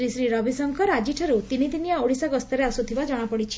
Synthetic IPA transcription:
ɾisɾiɾɔbʱisɔŋkɔɾad͡ʒiʈʰɔɾut̪init̪iniaoɽisaɡɔst̪ɔɾeasut̪ʰibad͡ʒɔɽ̃apɔɽit͡ʃʰi̥

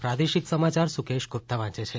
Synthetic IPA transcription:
pɾad̪eʃiksəmat͡ʃaɾsukeʃɡʱop̚t̪aʋãt͡ʃet͡ʃʰe

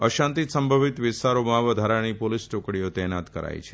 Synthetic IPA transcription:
əʃãnt̪it̪səmbʱəʋit̪ʋɪst̪aɾomãʋəd̪ʱaɾañipolisʈokɽijot̪ɛnat̪kəɾa̰j̰t͡ʃʰe̥

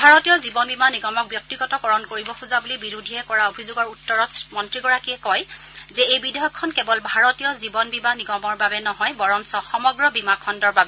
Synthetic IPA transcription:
bʱaɹɔtijɔzibɔnbimaniɡɔmɔk̚bjɔk̚tiɡɔtɔkɔɹɔnkoɹibɔxuzabulibiɹudʱiɛkɔɹaobʱizʊɡɔɹutːɔɹɔmɔntɹiɡɔɹakiɛkɔjzɛejbidɔɦɔkʰːɔnkɛbɔlbʱaɹɔtijɔzibɔnbimaniɡɔmɔɹbabɛnɔɦɔjbɔɹɔnsɔxɔmɔɡɹɔbimakʰɔndɔɹbabɛ

